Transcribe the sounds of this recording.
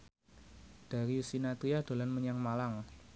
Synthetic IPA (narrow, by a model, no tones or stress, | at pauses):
d̥a̤ɾiusinat̪ɾiad̪̥o̤lanməɲaŋmalaŋ